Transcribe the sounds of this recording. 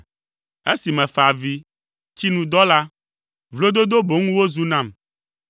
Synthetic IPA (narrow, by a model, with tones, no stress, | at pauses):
e˦si˨mɛ̃˨fa˨vi˦ | t͡ɕi˦nũ˨d̪ɔ˦la˦ | vlo˦d̪o˦d̪o˦bo˨˦ŋũ˦wo˦zu˦nã˨m